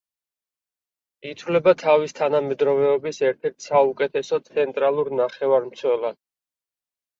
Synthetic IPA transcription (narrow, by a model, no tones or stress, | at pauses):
it̪ʰvlɛbat̪ʰavist̪ʰanamɛd̪ɾɔvɛɔbisɛɾt̪ʰɛɾt̪ʰsaukʼɛt̪ʰɛsɔt̪sʰɛnt̪ʼɾalˠuɾnaχɛvaɾmt̪sʰwɛlˠad̪̥